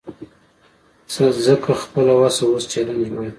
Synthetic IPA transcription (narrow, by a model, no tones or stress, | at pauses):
sazəkʰaxpəlawasawost͡ʃaland͡ʒmaja